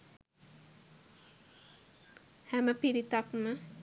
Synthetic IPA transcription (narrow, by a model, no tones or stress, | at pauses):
hæməpiɾit̪akmə